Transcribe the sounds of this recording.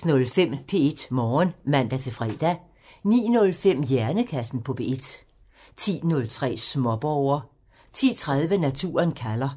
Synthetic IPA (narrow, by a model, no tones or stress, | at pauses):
nɔ̽lfem̰pʰe̝ed̥mɒːnmæn̰d̥æt͡sʰe̝fʁɛːd̥æ | nḭːnɔ̽lfem̰jæɐnəkʰæsn̩pʰɒ̽pʰe̝e̝d̥ | t͡sʰḭːnɔ̽lt͡sʰʁɛ̰ːsmɒ̽b̥ɒʊɐ | t͡sʰḭːt͡sʰʁað̞ˠʋənæt͡sʰṵːɐnkʰælɐ